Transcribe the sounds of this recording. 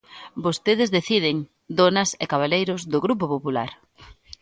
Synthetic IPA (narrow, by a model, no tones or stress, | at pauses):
bost̪eðɪzðeθið̞ɪŋ | d̪onɐsekaβ̞alejɾʊzðʊɣɾup̬opopula̰ɾ